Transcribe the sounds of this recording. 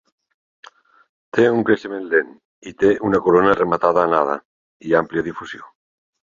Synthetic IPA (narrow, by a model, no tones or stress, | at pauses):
t̪euŋkɾeʃemenlen | it̪eʔunakoɾonaremat̪aðaːnað̞a̰ | iampljaðifusjo